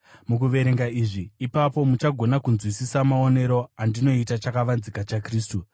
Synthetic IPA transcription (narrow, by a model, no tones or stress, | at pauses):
mukuʋe̞ɾe̞ŋɡaiːʐiːpapo̞mut͡ʃaɡʱo̞nakunzwisisamaone̞ɾo̞andino̞itat͡ʃakaʋanzikat͡ʃakriːstu